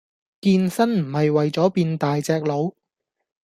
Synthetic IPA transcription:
kiː˧nsɐ˥nm̩˨˩hɐ˨jwɐ˨jt͡sɔː˨˥piː˧nt̪aː˨jt͡sɛː˧k̚lo˨˧w

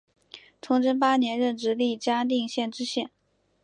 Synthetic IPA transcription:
t͡sʰʊ˧˥ŋʈ͡ʂə˥npa˥njɛ˧˥nɻə˥˩nʈ͡ʂɻ̩˧˥li˥˩t͡ɕja˥t̪i˥˧ŋɕjɛ˥˩nʈ͡ʂɻ̩˥ɕjɛ˥˩n

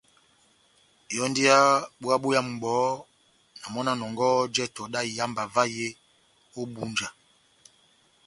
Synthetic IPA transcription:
jɔ˦ndi˦a˦ɓwa˦ɓo˦ja˦m̩˨ɡ͡bɔ˨˦ | na˨mɔ˦na˦nɔ˨ŋɡɔ˦d͡ʒɛ˦tɔ˨da˦˨ja˦mba˨va˦je˦ | o˦ɓu˦nd͡ʒa˨

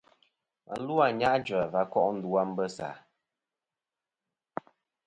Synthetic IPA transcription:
a̰˨˦lu˦a˨ɲa˦ʔd͡ʒə˨va˦kɔ˦ʔn̩˦du˨a˦m̩˦bə˦sa̰ː˨

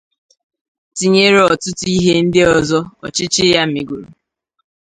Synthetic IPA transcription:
ti˦ɲe˦ɾɔ˨tʊ˦tʊ˦i˦ɦe˦n̩˦dɪ˦ɔ˨zɔ˦ɔ̰˨t͡ʃɪ˦t͡ʃɪ˦ja˦m̩˦˨mi˨ɡu˨ɾu˨

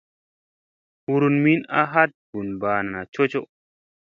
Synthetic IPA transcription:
hu˨ɾu˨nmi˦na˦ɦa˦t̚ɡ̥u˨nbaː˨na˨na˨t͡ʃo˦t͡ʃo˦

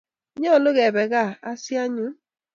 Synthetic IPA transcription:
ɲɔ˦˨lo˦ɣe˨bɛ˨ɣa˦˨a˦sja˦ɲu˦

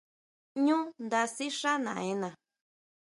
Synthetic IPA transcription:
ɲũ˦nd̪a˧si˦ʂa˦nã̰˨ẽ˧nã˨

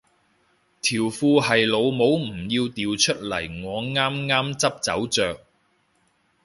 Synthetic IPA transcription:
t̪ʰiː˨˩wfuː˧hɐ˨jlo˨˧wmo˨˧wm̩˨˩jiː˧wt̪iː˨wt͡ʃʰɵ˥t̚lɐ˨˩jŋɔː˨˧ŋaː˥mŋaː˥mt͡sɐ˥p̚t͡sɐ̰˨˥wt͡sœː˨k̚

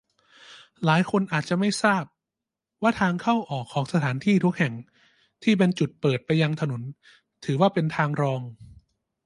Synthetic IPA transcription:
laː˩˦jkʰo˧nʔaː˨˩t̪̚t͡ɕa˨˩ma˥˩jsaː˥˩p̚ | waː˥˩t̪ʰaː˧ŋkʰa˥˩wʔɔː˨˩kʰːɔː˩˦ŋsa˧t̪ʰaː˩˦nt̪ʰiː˥˩t̪ʰu˦˥k̚hɛ˨˩ŋ | t̪ʰiː˥˩p̬e˧nt͡ɕu˨˩t̪̚pɤː˨˩t̪̚pa˧jːa˧ŋt̪ʰa˧no˩˦n | t̪ʰɯː˩˦waː˥˩pe˧nt̪ʰaː˧ŋɾɔː˧ŋ

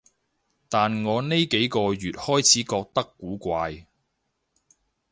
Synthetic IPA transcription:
t̪aː˨nŋɔː˨˧ne˥jke˨˥jkɔː˧jyː˨t̚hɔː˥jt͡sʰiː˨˥kɔː˧k̚t̪ɐ˥kːuː˨˥kʷaː˧j

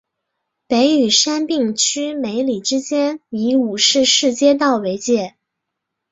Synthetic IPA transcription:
pe˧˥ɪy˨˩ʂa˥npi˥˩ŋt͡ɕʰy˥me˧˥ɪli˨˩ʈ͡ʂɻ̩˥t͡ɕjɛ˥ni˧˥u˨˩ʂɻ̩˥˧ʂɻ̩˥˩t͡ɕjɛ˥˧t̪̬ɑ˥˩ʊwe˧˥ɪt͡ɕjɛ˥˩

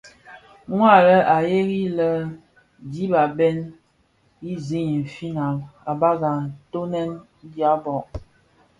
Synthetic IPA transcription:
ŋwa˦˨lə˦a˨je˦ɣi˦lə˦ | di˦ba˨bɛ˦n | i˦zi˦ɲi˨m̩˨fi˦na˨ma˨ba˦ɡa˨to˦nɛ˦n˦ | dja˦bɔ˨ʔ

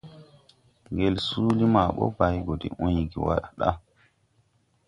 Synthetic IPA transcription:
ŋɡɛ˨lsuː˦li˦ma˨ɓɔ̰˦ba˨jɡɔ˨dḭ˨ʔu˦jɡḭ˨wa˦ɗa˨ɗa̰˦

